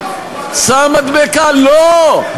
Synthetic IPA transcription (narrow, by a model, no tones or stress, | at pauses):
saːmɐt̪beːkaːlo